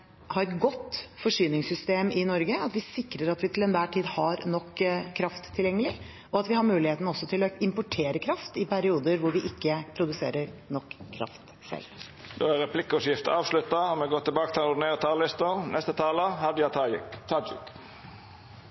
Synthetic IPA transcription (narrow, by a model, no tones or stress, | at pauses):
hɑɾɛt̪ɡɔt̪ːfɔʂyːnɪŋsʏst̪eːmɪnɔɾɡəɑt̪ʋɪsɪkɾəɾɑt̪ʋɪt̪ʰɪlɛnʋæːʈʰiːd̪hɑɾnɔkːkʰːɾɑft̪ʰːɪljɛŋːəlɪ | ɔɑt̪ʋɪhɑɾmʉːlɪheːt̪nəɔsːɔt̪ʰɪlɔɪmpʊʈʰeːɾəkʰɾɑft̪ɪpʰæɾɪuːd̪əɾʋʊɾʋɪʔɪkːəpʰɾʊd̪ʉsḛːɾəɾnɔkːkʰːɾɑ̰ft̪ | sɛ̰l | d̪̥o̰ːæɾʁɛpʰlɪkːɔsjɪft̪əɑːʋslʉt̪ːɑmɛɡoːt̪ːɪlbɑːkət̪ʰɪlnʊɖ̪neːʁət̪ʰɑːllɪst̪ənɛst̪ət̪ʰɑːləhɑd̪əjɑt̪ʰɑːjɪkt̪ʰɑd͡ʒɪ̰k